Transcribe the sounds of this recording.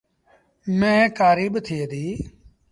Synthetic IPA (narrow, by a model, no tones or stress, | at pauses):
mɛ̃ːkaːɾiːɓt̪ʰiːed̪iː